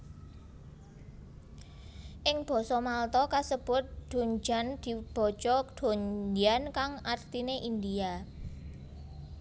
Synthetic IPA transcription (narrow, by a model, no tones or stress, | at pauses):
ʔɪŋb̥ɔ̤sɔmalt̪ɔkasəb̥ʊt̪̚ɖ̪̥o̤ɲd͡ʒa̤nd̪̥i̤b̥ɔ̤̥t͡ʃɔd̪̥o̤nd͡ʒiankaŋʔart̪ineʔind̪ia